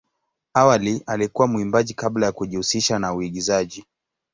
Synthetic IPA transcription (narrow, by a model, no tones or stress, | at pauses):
awalialikuwamuimbaʄikablajakuʄihusiʃanauiɠizaʄi